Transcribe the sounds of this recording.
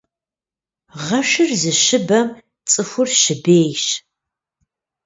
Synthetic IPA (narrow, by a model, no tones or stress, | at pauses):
ʁɐʃɨrzɨʃɨbɐm | t͡sʼɨxʷʊrʃɪbeːjʃ